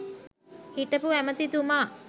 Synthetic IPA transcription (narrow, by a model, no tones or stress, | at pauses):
hit̪əpuæmət̪id̪umaː